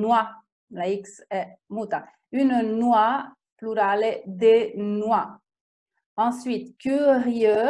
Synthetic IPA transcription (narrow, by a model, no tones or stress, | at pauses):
nwa | laiksɛmut̪ã | ynnwa | plyɾaled̪enwa | ɑ̃sɥit̪kʲyʁjø